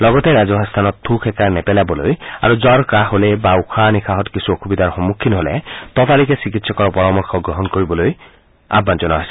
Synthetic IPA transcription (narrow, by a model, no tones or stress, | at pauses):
lɔɡɔtɛɹazɔɦast̪ʰanɔtʰːukʰɛkaɹnɛpɛlabɔloja̰ɹuzɔɹkaɦolɛbaukʰanixʰaɦɔtkisuokʰubidaɹxɔmukʰːinɦolɛ̰tɔtalikɛsik̬itsɔkɔɹɔpɔɹɔmɔɹxʰɔɡɹɔɦɔnkoɹibɔloj | a̰bːanzɔnaɦajsɛ